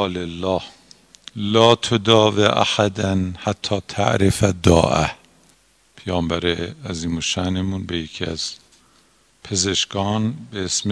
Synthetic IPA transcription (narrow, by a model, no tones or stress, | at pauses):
lelːɒːh | lɒːt̪ʰod̪ɒːveʔa̰ħæd̪ænhat̪ʰːɒːt̪ʰa̰ʔɾefæd̪ɒ̰ːʔæ̰h | pʰejɒːmbæɾeæziːmoʃænemunbejecʰiæ̰z̥ | pʰezeʃkɒːnbeesm